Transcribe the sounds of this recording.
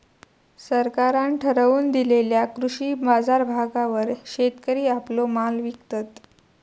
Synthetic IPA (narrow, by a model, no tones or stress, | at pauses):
səɾkaɾanʈʰəɾəʋuːnd̪ileljakɾuɕiːbad͡zaɾbʱaɡaʋəɾɕet̪kəɾiːaplomalʋikt̪ət̪